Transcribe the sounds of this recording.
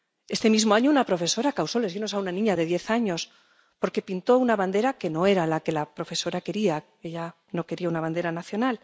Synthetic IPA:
e̞st̪e̞mizmo̞aɲounapɾo̞fe̞so̞ɾakawso̞le̞zɣeno̞saunanĩɲaðe̞ðje̞θaɲo̞s | po̞ɾke̞pint̪o̞unaβand̪e̞ɾake̞no̞e̞ɾalake̞lapɾo̞fe̞so̞ɾake̞ɾia | e̞ʎa | no̞ke̞ɾiaunaβ̞and̪e̞ɾanaθjo̞nal

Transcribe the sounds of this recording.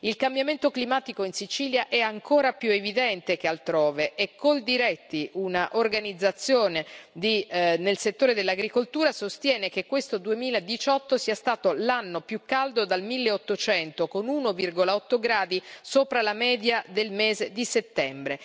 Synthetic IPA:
ilkambjament̪oklimaːt̪ikoinsit͡ʃiːljaʔɛaŋkʰoːɾapjuevid̪ɛnt̪ek̟ealt̪ɾoːveʔɛkːold̪iɾɛt̪ːiʔunaʔorɡanid̪zːat̪sːjoːned̪inelset̪ːoːɾed̪elːaɡɾikolt̪uːɾasost̪jɛːnek̟ekːwest̪od̪uemiːlaed̪it͡ʃɔt̪ːosiːast̪aːt̪olanːopjukːald̪od̪almilːeot̪ːot͡ʃɛnt̪okonuːnovirɡolaɔt̪ːoɡɾaːd̪isoːpɾalamɛːd̪jad̪elmezed̪iset̪ːɛmbɾe

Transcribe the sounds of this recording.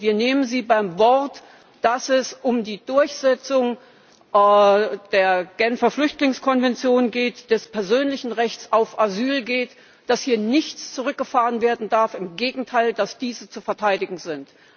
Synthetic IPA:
viːɐneːmənziːbaɪmvɔɐt | d̥asɛsʔʊmdiːdʊɐçz̥ɛt͡sʊŋ | d̥eːɐɡ̥ɛnfɐflʏçtlɪŋskʰɔnvɛnt͡sjoːnɡeːtd̥ɛspʰɛɐzøːnlɪçn̩ʁɛçt͡saʊfʔazyːlɡeːt | d̥ashiːɐnɪçt͡st͡suʁ̞ʏk̚ɡ̥əfaːʁənveːɐdn̩daɐfɪmɡeːɡŋ̩tʰaɪldasd̥iːzət͡sufɛɐtʰaɪdɪɡŋ̩zɪnt

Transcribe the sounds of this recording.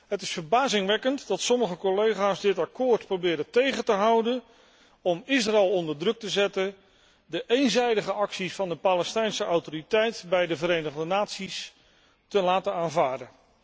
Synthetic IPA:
ɦətɪsfəɹbaːzɪŋʋɛkəntdɑtsɔməχəkolejχaːzdɪtɑkʊːɹtprowbɪːɾətejχəntəɦɑwdən | ɔmɪsraɛlˠɔndəɹdrɵk̚təzɛtən | dəʔejnzɛjdəχəʔɑksisfɑndəpaːlɛstɛjnsəʔawtoritɛjtbɛjdəvəɾejnəχdənaːtsis | təlaːtənaːnvaːɹdən

